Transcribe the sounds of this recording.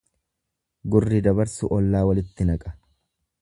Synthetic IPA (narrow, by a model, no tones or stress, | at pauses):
ɡʊrːɪd̪ɐbɐɾsʊʔɔlːaːwɐlɪt̪ːɪnɐkʼɐ̥